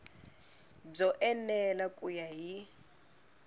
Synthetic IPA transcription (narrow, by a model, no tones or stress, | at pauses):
b͡ʐɔʔɛnɛlakʼujaɦi